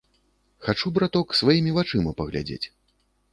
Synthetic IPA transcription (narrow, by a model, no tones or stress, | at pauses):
xat͡ʂubɾat̪ɔksvajimʲivat͡ʂɨmɐpɐɣlʲa̰d͡zʲḛt͡sʲ